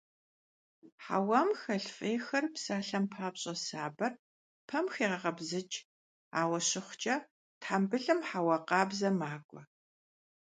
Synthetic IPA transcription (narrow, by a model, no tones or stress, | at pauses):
ħa̰wɐmxɐɬfʼeːxɐrpsaːɬɐmpʰaːpɕʼɐsaːbɐr | pʰɐmxeːʁɐʁɐbzɨt͡ʃʼ | aːwɐɕɪχʷʊt͡ʃʼɐ | tħambɨɮɨmħawɐqɑːbzɐmaːkʷʼɔ